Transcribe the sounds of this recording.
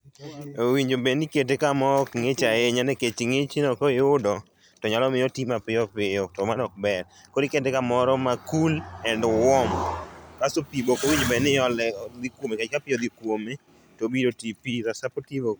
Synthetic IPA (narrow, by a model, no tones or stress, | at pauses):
owiɲd͡ʒobenɪket̬ekamɔkŋet͡ʃaeɲanɛket͡ʃiŋet͡ʃinɔkoɪʊdɔ | tɔɲalɔmɪjotimapɪɔpɪɔtɔmanɔk̚bɛɾ | koɾiketekamɔɾɔmakulɛndwɔmkasopibokowiɲd͡ʒobɛnɪɔlɛd̪ikwomekat͡ʃkapɪjɔd̪ikwome | tobidotipiɾasapɔtivo